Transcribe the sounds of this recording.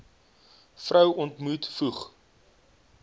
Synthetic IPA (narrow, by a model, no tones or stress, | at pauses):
frœwɔntmutfuχ